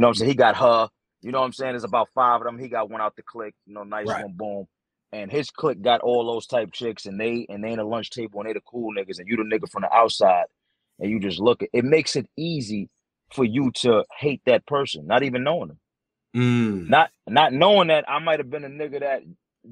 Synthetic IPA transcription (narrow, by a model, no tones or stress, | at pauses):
jɨnoʊ̃shiɡɑt̚hə | jɨnoʊãɪ̃mseɪɪ̃ŋɨzəbaʊtfaɪvʌðə̃miɡɑt̚wʌ̃ñaʊt̪̚ðɨkʰl̥ɪk̚jɨnoʊnaɪswʌ̃nbõʊ̃m | ɨ̃nɪz̥kʰl̥ɪk̚ɡ̥ɑɾʔɔlˠðoʊz̥tʰaɪp̚t͡ʃʰɪksɨ̃nðeɪɨ̃nðeɪɨ̃nəlʌ̃nt͡ʃtʰeɪbl̩ˠə̃nðeɪɾɨkʰulˠnɪɡəzɨ̃njɨɾɨnɪɡə˞fɹʌ̃mðḭʔaʊtsaɪɾ̥ | ʔɨ̃njɨd͡ʒʌstˡlʊkɨtɨt̚meɪksɨɾizi | fə˞jɨɾəheɪt̪̚ðɨt̚pʰɜ˞sɨ̃nːəɾivɨ̃nːoʊɪ̃ŋə̃m̩ | nət̚nətⁿnoʊɪ̃ŋðɨtʔa̰ɪmaɪt̚hɨvbɨ̃nɨnɪɡə˞ðæt̚